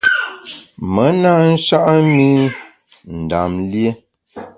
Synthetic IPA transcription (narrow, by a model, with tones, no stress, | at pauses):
mə˨˦na˦n̩˦ʃa˦ʔmi˦ | n̩˨da̰˨mlje˦